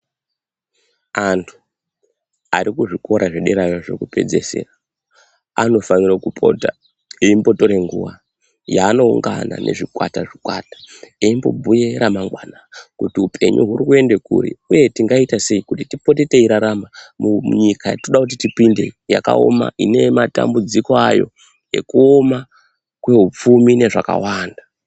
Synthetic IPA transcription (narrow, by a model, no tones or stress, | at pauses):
antʰu̥ | aɾikuʐiko̞ɾaʐeɗeɾajoʐe̞̰kupe̞̰d͡ze̞se̞̰ːra | a̰no̞fanirakupʰo̞ta | eimbo̞to̞ɾe̞ŋɡuwa | jaːno̞uŋɡa̰na̰ne̞̰ʐikwa̰taʐikwatḁeimbo̞̰bʱuje̞ɾamaŋɡwanakutiupʰe̞̰ɲṵɦurikue̞nde̞kṵrḭuje̞tiŋɡaitase̞ikutitipo̞te̞te̞iɾaɾamamuɲikaja̰toɗakut̬itipinde̞ijaka̰o̰ma̰ʔine̞mata̰mbud͡ziko̞ajo̞̰ | e̞kuoma | kwe̞ɦup͡fumine̞ʐaka̰waːnda